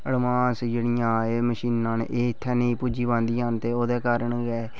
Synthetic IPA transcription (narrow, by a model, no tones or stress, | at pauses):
əɽmãːsd͡ʒeːɽijãːeːməʃiːnãːn̰ʔeːɪt̪ʰːɛːneĩpud͡ʒiːbãːnd̪iːaːnt̪eːoːd̪eːkaːɾəɳɡɛː